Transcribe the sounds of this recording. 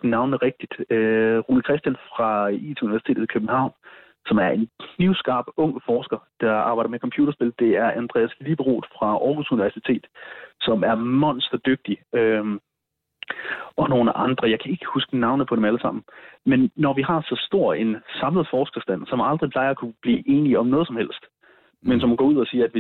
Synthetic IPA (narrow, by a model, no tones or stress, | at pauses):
nɑ̈ʊnəʁeɡ̥̚d̥id̥øʁuːnikʰʁɛsd̥jænfʁɑ̈ḭt͡sʰeuniʋæɐsi̥t͡sʰe̝̰ːð̩ˠikʰøb̥̚n̩hɑ̈ʊ̰n | sɒ̽mæɐe̝nliʊsɡ̥ɑ̰̈ːb̥ɔ̽ŋ̰əfɒːsɡ̥ɐd̥ɑ̈ɑ̈ːbɑ̈ɪd̥ɐmekʰɒ̽mpʰjṵːd̥ɐsb̥e̝ld̥e̝æɐʔænd̥ʁɛ̰ːæslib̥əʁo̰ːd̥fʁɑ̈ʔɒːɡ̥usuniʋæɐsit͡sʰe̝̰ːd̥sɒ̽mæɐmɒ̽n̰sd̥ɐd̥øɡ̥̚d̥i | ɒ̽no̝ːnəʔɑ̈nd̥ʁɐjɑ̈ɪkʰæe̝ɡ̥əhusɡ̥ənɑ̈ʊnðpʰɒ̽ɾ̥emæləsɑ̈m̰n̩menːɒʋihɑ̈sɒ̽sd̥o̝ɐ̰e̝nsɑ̈mləð̩ˠfɒːsɡ̥ɐsd̥æn̰sɒ̽mɑ̈ld̥ʁipʰlɑ̈ɪɐækʰub̥lḭːʔe̝ːniɒ̽mnɔ̽ːð̞̩ˠsɒ̽mhel̰sd̥ | mensɒmænɡɒ̰ːuð̰ˠɒsiːɐædʋi